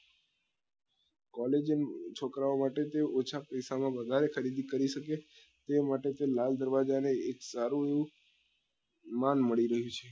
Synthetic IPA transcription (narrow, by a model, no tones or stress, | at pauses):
kɔled͡ʒnt͡ʃʰokɾaomaʈet̪eot͡ʃʰapəjsamãʋəd̪ʱaɾexəɾid̪ikəɾiʃəke | t̪emaʈet̪elald̪əɾʋad͡ʒaneeksaɾũeʋũ | manməɭiɾəɦjũt͡ʃʰe